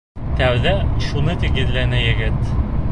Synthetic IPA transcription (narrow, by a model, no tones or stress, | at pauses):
t̪æwðæʃunɤt̪iɡɘ̆ðlænæjɘ̆ɡɘt̪